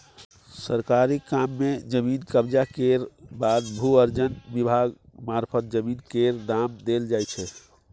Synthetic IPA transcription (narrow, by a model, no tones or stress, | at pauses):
səɾkaɾikamːed͡ʒəminkəbd͡ʒakeɾbad̪bʱuəɾd͡ʒənbibʱaɡmaɾpʰət̪̚d͡ʒəminkeɾd̪amd̪eld͡ʒajt͡ʃʰɛ